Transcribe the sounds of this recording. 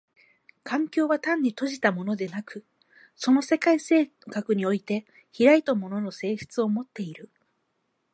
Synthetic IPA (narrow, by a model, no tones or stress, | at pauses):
kʰãŋkʲo̞ːβat̪ãɲ̟ːit̪o̞ʑit̪amo̞no̞d̪e̞nakɯ̟ | so̞no̞se̞kaise̞ː | kakɯ̟ɲ̟io̞it̪e̞ | çiɾait̪omo̞no̞no̞se̞ːɕɨ̥t͡sɨo̞mo̞t̪ːe̞iɾɯ̟